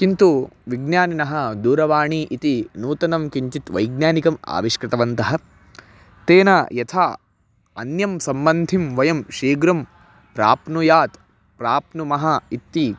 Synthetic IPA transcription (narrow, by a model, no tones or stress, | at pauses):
kint̪uʋiɡnjaːninɐɦɐ̆d̪uːɾɐʋaːɳiʔit̪inuːt̪ɐnɐmkiɲt͡ʃit̪ʋɐ̰jɡnʲjaːnikɐma̰ːʋiʂkɾɪt̪ɐʋɐnt̪ɐɦɐ̆ | t̪eːnɐjɐt̪ʰaː | ɐ̰njɐmsɐmbɐnd̪ʱimʋɐjɐmʃiːɡɾɐm | pɾa̰ːpnujaːt̪ | pɾaːpnumɐɦɐit̪ːi